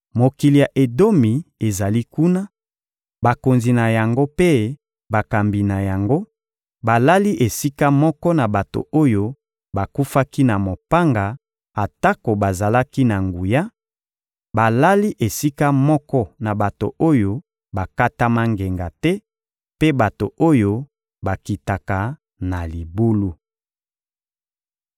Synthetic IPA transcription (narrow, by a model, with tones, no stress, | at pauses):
mo˨ki˨li˨ja˨ʔe˨do˦mi˨e˨za˨li˦ku˦na˦ | ba˨ko˨nzi˨na˨ja˨ŋɡo˦pe˦ | ba˨ka˨mbi˨na˨ja˨ŋɡo˦ | ba˨la˦li˦ʔe˨si˦ka˦mɔ˦kɔ˦na˨ba˨to̰˨o˦jo˦ | ba˨ku˦fa˦ki˦na˨mo˨pa˦ŋɡa˨ | a˨ta˦ko˨ba˨za˨la˦ki˦na˨ŋɡu˨ja˦ | ba˨la˦li˦ʔe˨si˦ka˦mɔ˦kɔ˦na˨ba˨to̰˨o˦jo˦ | ba˨ka˦ta˦ma˦ŋɡe˨ŋɡa˨tɛ˦ | pe˦ba˨to˨ʔo˦jo˦ | ba˨ki˨ta˨ka˨ | na˨li˨bu˦lu˦